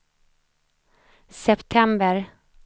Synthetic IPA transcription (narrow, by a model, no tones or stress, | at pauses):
sɛpt̪ʰɛmbəɾ